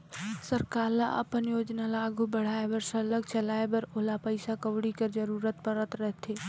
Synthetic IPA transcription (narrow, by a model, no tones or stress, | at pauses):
səɾkaːla̰ʔɐ̰pənjoːd͡ʒnalaːɡʱubəɽ̤aːebəɾsələɡ̚t͡ʃɐlaːebɐɾoːlapəɪsakəʋɽikəɾd͡ʒəɾuːɾət̪̚pəɾət̪ɾɛɦt̪ʰeː